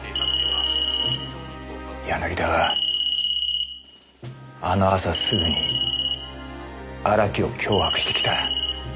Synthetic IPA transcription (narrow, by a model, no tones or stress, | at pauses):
janaɡʲit̪aɡa | ano̞asasɨɡɯ̟ɲ̟i | aɾakʲio̞kʲʰo̞ːhakɯ̟̥ɕi̥t̪e̞kʲi̥t̪a